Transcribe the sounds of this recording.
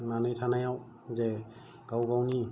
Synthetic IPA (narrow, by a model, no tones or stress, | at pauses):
nanɯjtʰanajaw | ze | ɡawɡawni